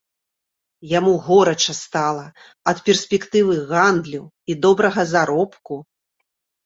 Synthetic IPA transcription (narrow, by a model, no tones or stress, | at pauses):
jamuɣɔɾɐt͡ʂɐst̪alˠɐ | ɐt̪pʲɛrsʲpʲɛkt̪ɨvɨɣand̪lʲiw | id̪ɔbɾɐɣɐzaɾɔpku